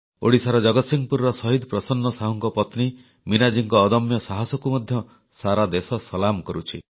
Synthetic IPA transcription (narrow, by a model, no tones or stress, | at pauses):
oɽisaɾɔd͡ʒɔɡɔt̪siŋpuɾɾɔsɔɦid̪pɾɔsɔnːɔsaɦɔŋkɔpɔt̪ni | minad͡ʒiŋkɔːd̪ɔmjɔsaɦasɔkumɔd̪ʱjɔ | saɾad̪esɔsɔlamkɔɾut͡ʃʰi